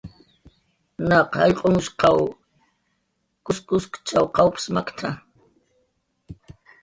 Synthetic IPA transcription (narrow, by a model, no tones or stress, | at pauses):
nɑqhaʎqʼomʊʃqɑw | kʊskʊskt͡ʃawqɑwpsmakt̪ʰa